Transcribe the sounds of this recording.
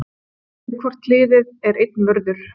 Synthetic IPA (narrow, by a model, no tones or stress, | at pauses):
kʰvɔr̥t̪lɪːðɪðɛɾejt̪̚nvœɾðʏɾ̥